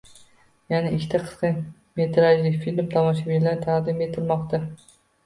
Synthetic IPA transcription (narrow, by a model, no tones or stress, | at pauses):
janɪʔɪkʲʰːt̪ʰaqʰɨ̥sqɨn | me̞t̪ʰɾad͡ʒlɪfilmt̪ʰɒmɒʃabʲilaɾt̪ʰaqd̪ɪme̞t̪ʰɪlˠmɒqt̪a